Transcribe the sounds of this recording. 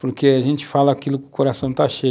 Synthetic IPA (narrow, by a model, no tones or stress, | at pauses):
poɾkeaʒẽnt͡ʃɪ̥falɐakilʊkɪʊkoɾasɐ̃w̃t̪aʃe